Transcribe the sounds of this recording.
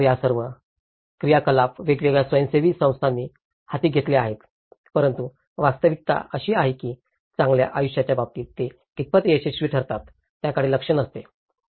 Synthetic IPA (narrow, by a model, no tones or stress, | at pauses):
ijasəɾʋə | kɾijakəlapʋeɡʋeɡɭjasʋəjənseʋiːsə̃w̃st̪ʰanːiː | hat̪iːɡʱet̪leaɦet̪ | pəɾənt̪u | ʋast̪əʋik̚t̪a̰əɕiːaɦekiː | t͡sãŋɡlja̰ʔajuɕjat͡ɕjabab̚t̪iːt̪e | kit̪̚pət̪jeɕeɕʋiːʈʰəɾt̪at̪ː | jakaɽiːləkʂəɳəst̪e